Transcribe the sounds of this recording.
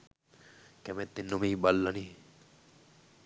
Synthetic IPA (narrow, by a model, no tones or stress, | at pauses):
kɛmet̪ːinːumiːbalːaniː